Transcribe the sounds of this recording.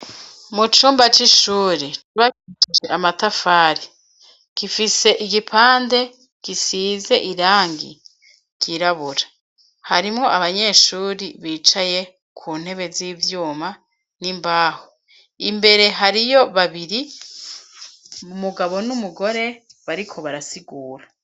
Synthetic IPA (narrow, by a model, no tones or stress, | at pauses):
mut͡ʃuːmbat͡ʃiʃuːɾituβakiʃt͡ʃid͡ʒeʔamatafaːɾi | kifise̞ʔiɡipʰaːnde̞ | kisiːze̞ʔiɾaːŋɡḭ | kiɾaβuɾa | haɾimŋo̞ʔaβaɲe̞ːʃuːɾiβiːt͡ʃaje̞ | kʰuːn̥e̞βe̞ziːvjuːma | nimbaːho | imbe̞ɾe̞ɦaɾijo̞βaβiɾi | umuɡaβo̞numuɡo̞ɾe̞βaɾikʰo̞βaɾasiɡuːɾa